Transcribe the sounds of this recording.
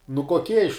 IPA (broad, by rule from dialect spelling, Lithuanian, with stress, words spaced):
nʊ koːˈkʲiɛ ɪʃ